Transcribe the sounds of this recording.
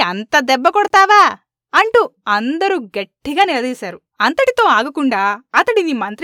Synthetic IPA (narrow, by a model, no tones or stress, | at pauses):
ɐnt̪ɐd̪ɛbːɐkɔɽɐt̪aːʋaː | ɐɳʈuɐnd̪ɐɾuɡɐʈːiɡaːniɾɐd̪iːsaːɾu | ɐnt̪ɐʈit̪o̞ːaːɡɐkuɳɖaːɐt̪ɐɽid̪imɐnt̪ɾ